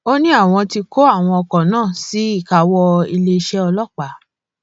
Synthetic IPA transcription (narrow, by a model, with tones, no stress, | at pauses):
o˦nĩ˦a˦˨w̃ɔ̃˧ti˧ko˦a˦˨w̃ɔ̃˧ɔ˧kɔ˨nãː˦˨si˨˦i˦˨ka˨˦wɔ˧i˧le˧ʃɛ˦ɔ˧lɔ˦˨k͡pa˨˦